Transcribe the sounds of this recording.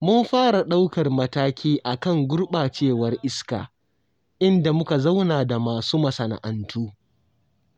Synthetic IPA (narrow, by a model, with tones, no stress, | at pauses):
mʊ˦mɸaː˦ɾa˨ɗa˦wkɐ˨rmɐ˦taː˦kʲʰiː˦ʔa˨kɐ˦˨ŋɡʷʊ˦rɓaː˨t͡ʃeː˦˨wɐ˦rʔɪ˦ska̰ː˨ | ʔɪ˦nda˨mʊ˦ka˨za˦wnaː˨da˨maː˨suː˦mɐ˨sɐ˨na̰˨ʔɐ˨ntʰuː˦